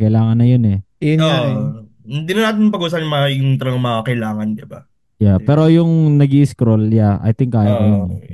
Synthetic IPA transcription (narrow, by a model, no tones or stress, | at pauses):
kɐjlaːŋɐnːɐjonɛ | ɛo | hɪnd̪iːnɐnaːt̪̬ɪnpɐɡuːsapɲmɐʊt̪ɾɐŋmɐakɐjlaːŋɐnd̪ɪba | japɛːɾo̞jʊŋnɐɡiːʔɪskɾoljaʔɐ̰jt̪ɪŋkːaːjaɐnn